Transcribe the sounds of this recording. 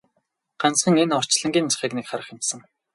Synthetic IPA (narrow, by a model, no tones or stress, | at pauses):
ɢ̥ant͡sχə̆ŋenɔr̥t͡ɕɮə̆ŋɡʲiːnt͡ɕʰḁχiːknekχaɾə̆χjɪ̆mtsə̆ŋ